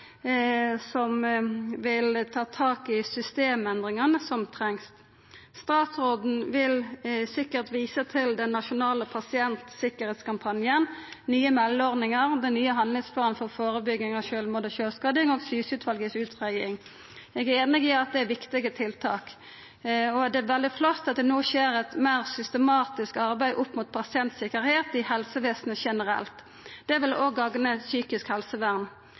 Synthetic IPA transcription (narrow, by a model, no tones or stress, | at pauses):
sɔmʋɪlt̪ʰɑːt̪ʰɑːkɪsʏst̪eːmɛnd̪ʁɪŋɑnəsɔmt̪ʰʁɛŋst̪ | st̪ɑːt̪sʁoːd̪n̩ʋɪlsɪkːəʁt̪ʋiːsət̪ʰɪld̪ɛnːɑʃʊnɑːləpʰɑsɪɛnt̪sɪkːəɾheːt̪skɑmpʰɑnjənnyːəmɛlːɔʁnɪŋəʁd̪ɛnnyːəɦɑnlɪŋspʰlɑːnfɔʁfoːʁəbʏɡːɪŋɑʋʃøːlmuːd̪əʃøːskɑd̪ɪŋoːɡsyːsʉːt̪ʰʋɑlɡəsʉːt̪ʰʁæɪɪŋ | jɛɡæɾeːnɪɡɪɑt̪̚d̪ɛæʋɪkt̪ɪɡət̪ʰɪlt̪ʰɑ̰ːk | ɔd̪ɛæʋɛld̪ɪflɔt̪ːɑt̪̚d̪ɛnoːʃeːɾɛt̪mæɪʁsʏst̪əmɑːt̪ɪskɑʁbæɪʔʊpːmut̪̚pʰɑsɪɛnt̪sɪkəɾheːt̪ɪhɛlsəʋeːsnəʃɛnəɾɛ̰lt̪ | d̪̥ɛʋɪloɡːɑɡnəsyːkɪskhɛlsəʋæʁn